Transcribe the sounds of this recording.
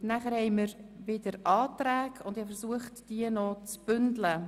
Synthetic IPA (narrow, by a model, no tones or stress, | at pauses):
næχəɾhɛɪməɾʋɪd̥əɾɑːtɾæːɡʰʊnd̪ɪhɑfəɾsuəχtd̥iənɔt͡sb̥ʏndlə